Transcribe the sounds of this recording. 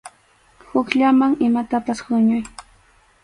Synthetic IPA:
hʊkʎamaŋɪmat̪apaswʊɲʊj

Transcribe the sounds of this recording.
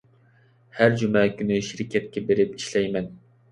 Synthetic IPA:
hæɾd͡ʒymɛkʲynɨʃiɾɪkʲʰɛt̪̚kʲɛbeɾɪpi̥ʃlɛjmɛn

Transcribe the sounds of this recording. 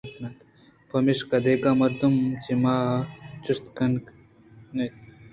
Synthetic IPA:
p̪nɐt̪ | pɐmiʃkɐd̪ekamɐɾd̪umt͡ʃimaːt͡ʃust̪kɐnk | ne

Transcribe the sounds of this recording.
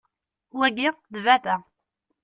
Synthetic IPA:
wæɡiʁðvæθæ

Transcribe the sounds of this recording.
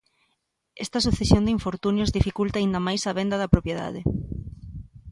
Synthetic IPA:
ɛst̪ɐsuθesjond̪iɱfoɾt̪unjozðifikult̪aːĩnd̪ɐmajsɐβend̪ɐðɐpɾopjeða̰ðɪ

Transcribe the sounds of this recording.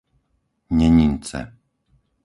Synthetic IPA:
ɲɛɲint͡sɛ̰

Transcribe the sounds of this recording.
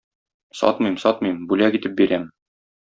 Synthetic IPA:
sɒ̰t̪mɤjmsɒt̪mɤjmbʉlækit̪ɘp̚biɾæm

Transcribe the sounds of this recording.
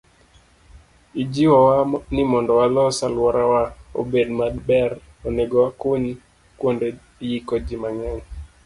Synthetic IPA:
id͡ʒiwɔwanɪmɔndɔwalɔsalwɔɾawao̰bedmadbɛɾ | oneɡɔwakuɲ | kwonde | jikod͡ʒimaŋɛŋ

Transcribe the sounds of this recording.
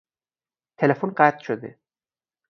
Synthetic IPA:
t̪ʰelefonɢæt̪ʰʃod̪ḛ

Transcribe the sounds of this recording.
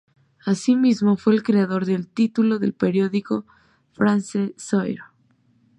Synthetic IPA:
asimizmo̞fwe̞ːlkɾe̞aðo̞ɾðe̞lt̪it̪ulo̞ðe̞̰lpe̞ɾjo̞ðiko̞ | fɾansesojɾo

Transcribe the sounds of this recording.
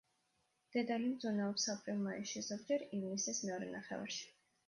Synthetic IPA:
d̪̥ɛd̪alimd̪zunaɔpsapʼɾilˠmaiʃizɔɡd͡ʒɛɾivnisɛsmɛɔɾɛ̰naχɛ̰va̰ɾʃi̥

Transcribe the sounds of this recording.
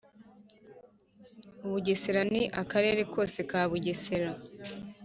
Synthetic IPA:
uβuɟeseɾaniʔakaɾe̞ːɾe̞ko̞ːse̞kaːβuɟeseɾa

